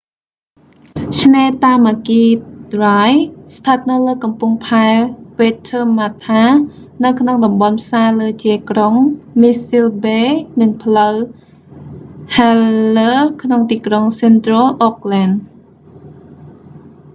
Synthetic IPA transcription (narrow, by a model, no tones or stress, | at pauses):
t͡ɕʰnɛːt̪aːmʔaːkiːrajst̪ʰət̪̚nɨwləːkɑmpuŋpʰaɛpeːt̪ʰəːmat̪ʰaː | nɨwkʰnoŋɗɑmɓɑnpʰsaːləːt͡ɕiəkroŋmisilɓeːnɨŋpʰləw | hɛləːkʰnoŋt̪iːkroŋsɛnt̪rɔlʔok̚lan